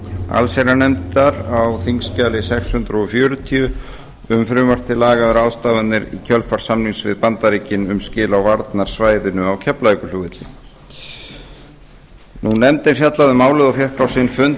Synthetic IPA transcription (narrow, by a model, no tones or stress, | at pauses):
a̰lsejɾanɛmt̪aɾawθiŋscaːlɪsɛkshʏnt̪ɾɔfjœːɾʏt̪ʰiʏ | ʏmfɾʏːmar̥t̪ʰɪlaːɣavɛɾaːwst̪aːvannɪɾḭcʰœlfaɾ̥samniŋsvɪ̰ðpant̪aɾiːcɪnʏmscɪːlawvaɾt̪naɾ̥svaːjðɪnʏawcʰɛplaikʏluːɣɪt̪lɪ | nunɛmt̪ɪɾfjat̪laðʏmaːwlʏðawfjɛhkɾawsɪnfʏnt̪